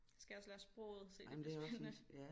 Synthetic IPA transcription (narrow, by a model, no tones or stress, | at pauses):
sɡ̥æjɒ̽slæɐsb̥ʁo̰ːð̩ˠse̝̰dmnd̥e̝æɒsjæ